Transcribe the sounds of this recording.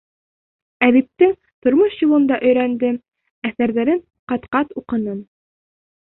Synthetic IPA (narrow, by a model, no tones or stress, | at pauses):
æðip̚t̪ɘŋ | t̪ŏɾmoʃjŭlˠɤ̆nd̪ɑʔɵ̆jɾænd̪ɘ | æθæɾðæɾɘɴ | qɑt̪qɑt̪uqɤ̆nɤm